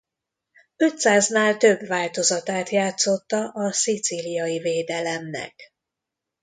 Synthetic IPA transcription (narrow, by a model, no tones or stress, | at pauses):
ø̞t̪saːznaːlt̪ø̞bvaːlt̪o̞zɒt̪aːt̪jaːt̪so̞t̪ːɒʔɒsit̪silijɒjiveːd̪ɛlɛmnɛ̰k